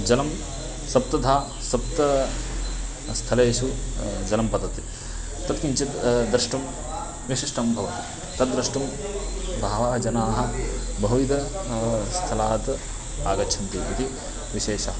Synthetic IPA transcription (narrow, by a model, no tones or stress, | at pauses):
d͡ʒɐnɐm | sɐp̚t̪ɐd̪ʱaː | sɐp̚t̪ɐ | st̪ʰɐleːʃud͡ʒɐnɐmpɐd̪ɐt̪i | t̪ɐt̪kiɲt͡ʃɐd̪ɾɐʂʈum | ʋiʃiʂʈɐmbʱɐʋɐt̪i | t̪ɐt̪ːɾɐʂʈum | bʱaːʋaːɐd͡ʒɐnaːɦɐ̆bɐɦuʋid̪ʱɐ | st̪ʰɐlaːt̪ | aːɡɐt͡ʃʰɐnt̪iːit̪i | ʋiʃeːʃɐːɐ